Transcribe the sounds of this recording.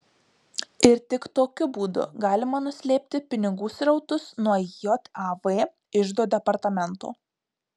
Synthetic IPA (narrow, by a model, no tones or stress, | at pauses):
ɪɾt̪ʲɪkt̪oːkʲʊbuːd̪ʊ̰ɡɑːlʲɪmɐnʊsʲlʲeːpʲt̪ʲɪpʲɪnʲɪɡuːsɾɐʊt̪ʊsnuɔjɔt̪ɑʋeː | ɪʒd̪oːd̪ʲɛpɐɾt̪ɐmʲɛnt̪o̰ː